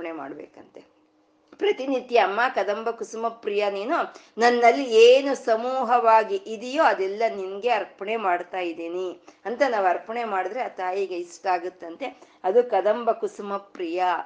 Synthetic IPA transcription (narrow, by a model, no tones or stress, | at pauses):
ɐɳema̰ːɽbḛːkɐnt̪e | pɾɐt̪inid̪jɐɐmːaːkɐd̪ɐmbɐkusumɐpɾijɐniːnu | nɐnːɐlːieːnusɐmuːɦɐʋaːɡiʔid̪ijoːɐd̪ɛlːɐninɡe̞ɐɾpɐɳemaːɽt̪aːjid̪iːniɐnt̪ɐnaːʋuɐɾpɐɳemaːɽid̪ɾeat̪aːjiɡeisʈaːɡut̪ːɐnt̪e̞ | ɐd̪ukɐd̪ɐmbʱɐkusmɐpɾijɐ